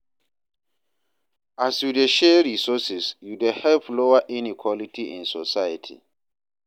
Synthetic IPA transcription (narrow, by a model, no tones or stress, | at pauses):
asjudeʃɛɹisɔsɛsjudehɛvloaʔĩnikʰwɔlitʰiʔḭ̃nsɔsajətʰḭ